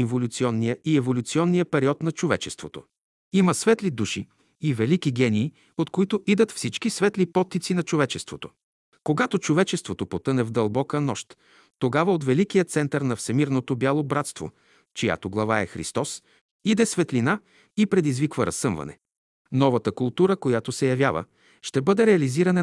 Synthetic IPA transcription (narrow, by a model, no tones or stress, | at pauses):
ivolʲut̪siɔnːijəiɛvolʲut̪siɔnːijəpɛɾiɔt̪nɐt͡ʃovɛt͡ʃɛst̪vot̪o | iməsvɛt̪lid̪uʃi | ivɛlikiɡʲɛniː | ot̪koit̪oʔid̪ət̪fsit͡ʃkisvɛt̪lipɔt̪ːit̪sinɐt͡ʃovɛt͡ʃɛst̪vot̪o | koɡat̪ot͡ʃovɛt͡ʃɛst̪vot̪opot̪ɤnɛvd̪ɐlˠbɔkənɔʃt̪ː | oɡavəot̪vɛlikijət̪sɛnt̪əɾnɐfsɛmiɾnot̪objalˠobɾat̪st̪vo̰ | t͡ʃija̰t̪oɡlˠɐvaɛxɾḭst̪ɔs | id̪ɛsvɛt̪lina | ipɾɛd̪izvikvəɾɐsːɤmvɐ̰nɛ̰ | nɔvɐt̪əkʊlˠt̪uɾəkojat̪osɛjɐvjavə̰ | ʃt̪ɛbɤd̪ɛɾɛɐliziɾɐnɛ